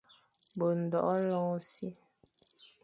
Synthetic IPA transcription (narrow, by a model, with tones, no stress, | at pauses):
bo˨n̩˨dɔ˨ʔɔ˦lɔ˦si˦